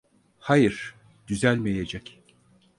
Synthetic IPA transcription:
hajɯɾ̥ | d̪̥yzælʲmejed͡ʒɛc

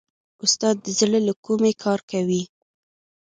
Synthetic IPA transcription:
ʊst̪ɑd̪ːəzɽəlakumekʰɑɾkawi

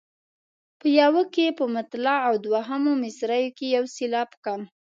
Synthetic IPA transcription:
pəjawəkepəmat̪lɑawd̪waɦamomɪsɾajokejawsilɑpkɑn

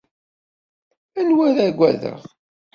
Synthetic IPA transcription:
ælwæɾæɡʷːæðə̰ʁ

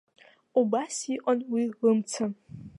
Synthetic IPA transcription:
ubasiqʷʼanwiʁəmt͡sʰɐm

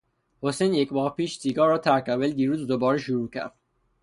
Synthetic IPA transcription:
hosejnjecmɒːhpiːʃsiːɡɒːɾɒːt̪ʰæɾkæveld̪iːɾuːzd̪obɒːɾeʃuɾuːcʰæ̰ɾd̪̥

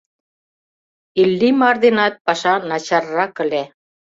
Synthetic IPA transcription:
ilːimɑrd̪enɑt̪̚pɑʃɑnɑt͡ɕɑrːɑkə̆le

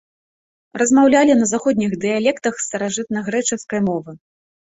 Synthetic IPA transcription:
rɐzmawlʲalʲinɐzaxɔd̪ʲnʲiɣd̪ɨjalʲɛkt̪ɐxst̪ɐɾaʐɨt̪nɐɣɾɛt͡ʂɨskɐjmɔvɨ

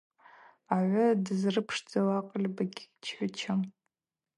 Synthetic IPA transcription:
aʕʷʊdɨzrɨpʰʂd͡zawaqʼlʲbaɡʲt͡ʃʰħʷɪt͡ʃʰam

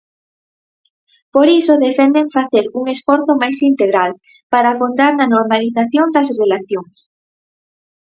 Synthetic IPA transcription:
poɾisoðefɛnd̪eŋfaθeɾuŋesfɔɾθomajsint̪eɣɾal | paɾafond̪aɾnɐnoɾmaliθaθjond̪ɐsrelaθjoŋs

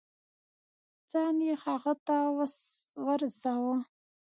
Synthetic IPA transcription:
t͡saːniχaːʁɐtʰaːwɐsʁɐrzaːwɐ

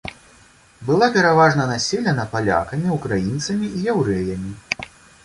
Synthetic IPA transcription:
bɨlˠapʲɛɾavaʐnɐnasʲɛlʲɛnɐpalʲa̰kɐmʲiukɾajint̪sɐmʲiijɛwɾɛjɐmʲi

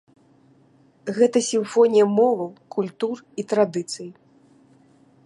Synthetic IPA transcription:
ɣɛt̪ɐsʲiɱfɔnʲijɐmɔvɐwkulʲt̪ur | it̪ɾad̪ɨt̪sɨji

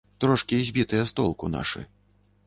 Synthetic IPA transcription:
t̪ɾɔʂkʲizʲbʲit̪ɨjɐst̪ɔlˠkuna̰ʂɨ̰

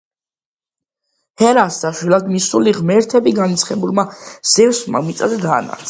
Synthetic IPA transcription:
hɛɾasd̪aʃwilˠad̪misuliʁmɛɾt̪ʰɛbiɡanit̪sʰχɛbulˠmaz̥ɛvsma̰mit̪sʼad̪ɛd̪aːna̰ɾt̪sʰ

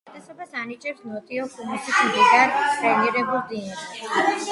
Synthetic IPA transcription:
t̪ʼɛsɔbasanit͡ʃʼɛpsnɔt̪ʼiɔkʰumusismd̪iɡ̪aɾt̪ʼɾɛniɾɛbulˠd̪inaɾɛ

